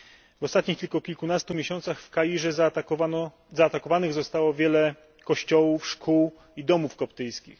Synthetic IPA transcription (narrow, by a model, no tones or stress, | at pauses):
vɔst̪at̪ɲixt̪ʲilkɔkʲilkunast̪umʲjeɕɔnt̪saxfkajiʐɛz | zaːt̪akɔvanɘɣzɔst̪awɔvʲjɛlɛ | kɔɕt͡ɕɔwufʂkʰuw | id̪ɔmufkɔpt̪ɘjskʲḭx